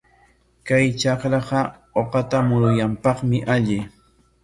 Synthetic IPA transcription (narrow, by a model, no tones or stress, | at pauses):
kajt͡ʃɑqɾɑqɑoqɑt̪amʊɾʊjampɑχmɪʔaʎɪ